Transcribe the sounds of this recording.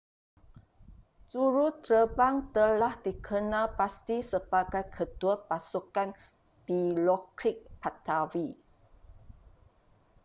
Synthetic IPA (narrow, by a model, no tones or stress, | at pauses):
t͡ʃuɾut̪ɾəbaŋt̪əlahdikʰənãlpast̪isəbaɡajkʰət̪uapasukan | d̥ilɔkɾik̚pat̪awi